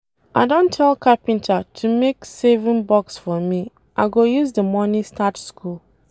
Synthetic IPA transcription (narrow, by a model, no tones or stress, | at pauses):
ʔaɪdõntʰːɛlkʰapĩntʰatʰumeksevĩnbɔksfɔmi | ʔaɪɡojuzdəmɔnĩstʰatskʰul